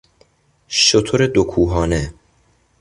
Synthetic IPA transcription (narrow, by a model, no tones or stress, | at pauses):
ʃot̪ʰoɾed̪okʰuːɦɒːne